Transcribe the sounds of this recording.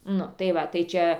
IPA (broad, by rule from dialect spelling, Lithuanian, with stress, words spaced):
ˈnʊ tɐɪ ˈʋɐ tɐɪ ˈt͡ʃʲɛ